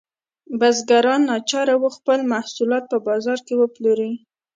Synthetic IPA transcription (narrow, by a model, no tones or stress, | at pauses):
bazɡaɾɑnːɑt͡ʃɑɾawuxpəlmahsulɑt̪̚pəbɑzɑɾkewəploɾi